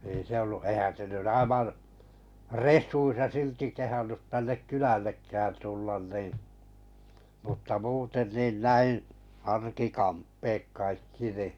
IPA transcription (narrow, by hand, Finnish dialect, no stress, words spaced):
ei se olːu eĭhæn se nyn ɑiʋɑn̞ resˑuisːɑ silti kehɑnːut tænːek kylælːekːæːn tulːɑn nin̞ mutːɑ muːten niːn næi ɑrkikɑmpːeːk kɑikːi ni